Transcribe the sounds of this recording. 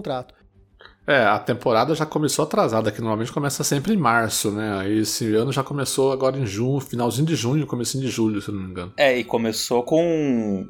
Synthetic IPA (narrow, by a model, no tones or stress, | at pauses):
t̪ɾat̪ʊ̥ | ɛɐ̰t̪ẽmpoɾad̪ɐʒakõmesoat̪ɾazad̪ɐkɪnoɾmawmẽt͡ʃɪ̥kõmɛsɐsẽmpɾɪẽmaɾsʊnɛaiesɪɐ̃nʊʒakõmesoaɡɔɾɐẽj̃ʒũɲʊfinawzĩɲʊd̪ɪʒũɲʊkõmesĩɲʊd̪ɪʒuʎʊsenõmomĩŋɡɐ̃nʊɛɪkõmesokõ